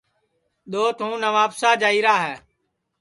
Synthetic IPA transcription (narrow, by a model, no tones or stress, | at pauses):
ɗ̪oːt̪ʰũːnəʋaːpsaːd͡ʒaːiːɾaːɦɛː